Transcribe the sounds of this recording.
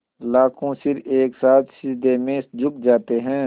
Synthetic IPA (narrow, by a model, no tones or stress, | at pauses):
laːkʰõsɪɾeːksaːt̪ʃɪd͡ʒd̪emẽd͡ʒʊk̚d͡ʒaːt̪eɦɛ̃ː